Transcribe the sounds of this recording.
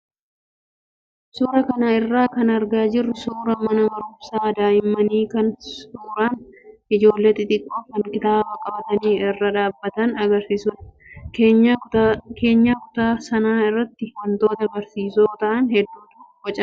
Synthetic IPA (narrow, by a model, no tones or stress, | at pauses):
suːɾɐkɐnaɪrːaːkɐnɐɾɡaːd͡ʒɪrːɪsuːɾɐmɐnɐmɐɾʊbsaːd̪aːjɪmːɐniːkɐnsuːɾaːnʔɪd͡ʒo̞ːlːeːt̪ːɪt̪ʼɪkʼːoːfkɐŋkʼɪt̪aːbɐkʼɐbɐt̪ɐniːɪrːɐᶑaːbːɐt̪ɐnɐɡɐɾsɪsʊᶑ | eːake̞ːɲːaːkʊ̥t̪aːsɐnaːɪrːɐt̪ːɪwɐnt̪o̞ːt̪ɐbɐɾsiːsoːt̪ɐʔɐnhɛd̪ːuːt̪ʊ | wɐt͡ʃʼɐ